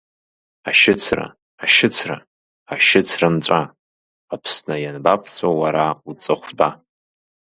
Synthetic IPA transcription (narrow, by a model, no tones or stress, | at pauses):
aʃɪt͡sʰra̰ | aʃɪt͡sʰra̰ | aʃɪt͡sʰrant͡sʷʼa | apʰsnɨjanbapʰt͡sʰʷʼowaɾaut͡sʼɨχʷba